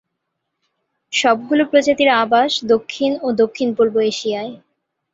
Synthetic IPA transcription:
ʃɔbɡulopɾod͡ʑat̪iɾabaʃd̪okʰːinod̪okʰːinpolboeʃijae

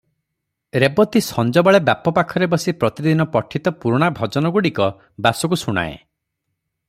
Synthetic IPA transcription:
ɾebɔt̪isɔnd͡ʒɔbɔɭebjapɔpakʰɔɾebɔsipɾɔt̪id̪inɔpɔʈʰit̪ɔpuɾuɽ̃abʱɔd͡ʒɔnɔɡuɽikɔ | basɔk̬usuɽ̃a̰ḛ

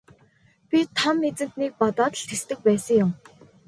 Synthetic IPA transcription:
pʲit̪ʰɔmnet͡sɘ̆m̥t̪niːk̚pɔt̪ɔːt̪ə̆ɬt̪ʰest̪ɘ̆k̚pæːsə̆ŋjʊm

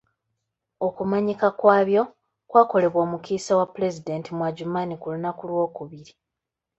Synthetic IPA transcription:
o̞kumaɲikakwaːβjo̞ | kwaːko̞le̞βwoːmukiːsawapule̞zide̞ːntimwaɟumanikulunakulwo̞ːkuβiɾi

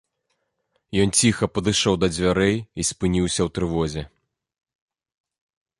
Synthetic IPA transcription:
jɔnt͡sʲixɐpɐd̪ɨʂɔwd̪ɐd͡zʲvʲaɾɛjisʲpɨnʲiwsʲɐwt̪ɾɨvɔzʲɛ

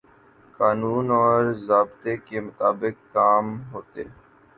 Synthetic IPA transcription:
kaːnuːnɔːɾzaːbt̪ekemʊt̪aːbɪkːaːmɦoːt̪ḛː

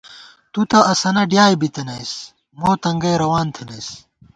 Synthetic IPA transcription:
t̪ut̪ɐʔɐsɐnɐɖjaːjbit̪ɐnɐjs | moːt̪ɐŋɡɐːɾɐwaːnt̪ʰɐnɐjs

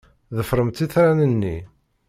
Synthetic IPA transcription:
ðəfɾˤəmt̪ːiθɾænənːḭ

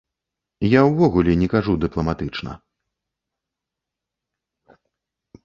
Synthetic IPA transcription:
jawvɔɣulʲɛnʲɛkaʐud̪ɨplˠɐmat̪ɨt͡ʂnɐ̰

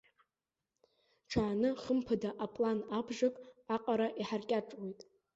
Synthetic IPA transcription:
ʈ͡ʂʰaːnɨχəmpʰadaʔapʼlanabʐakʼaqʼaɾaʔiħarkʲʼaʈ͡ʂʼwejtʼ

